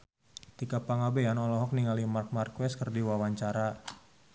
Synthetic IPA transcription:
t̪ikapaŋabeanɔlɔɦɔk̚niŋalimark̚markwɛskərdiwawaɲt͡ʃaɾa

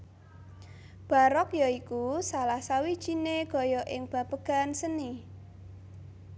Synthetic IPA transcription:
b̥ä̤ɾɔkjɔikusalahsawid̥ʒ̥ineɡ̥ɔ̤jɔʔɪŋb̥ä̤pəɡ̥a̤nsəni

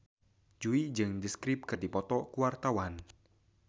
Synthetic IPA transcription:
d͡ʒuid͡ʒɨŋdiskɾɪp̚kɨrdipɔt̪ɔkuwart̪awan

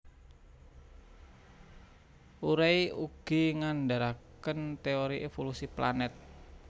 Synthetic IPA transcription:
ʔuɾajuɡ̥iŋandaɾakənt̪eoɾiʔefolusipla̰nɛt̪̚

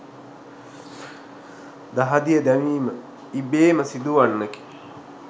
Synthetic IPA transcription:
d̪aɦad̪ijəd̪æʋiːmə | ibeːməsid̪uʋanːəki̥

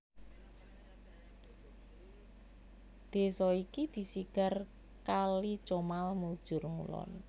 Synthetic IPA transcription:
d̪̥e̤sɔikid̪̥i̤siɡ̥a̤r | kali̥t͡ʃomalmud̥ʒ̥ʊ̤rŋṵlɔ̰n

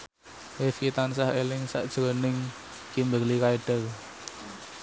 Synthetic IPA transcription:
wefkit̪ansahelɪŋsa̰ʔd̥ʒ̥ɾənɪŋ | kimbəlikaiɖ̥ə̤r

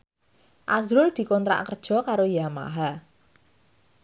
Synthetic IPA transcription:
ʔazɾʊld̪̥i̤kɔnt̪ɾa̰ʔkərd̥ʒ̥ɔ̤kaɾojama̰ɦa

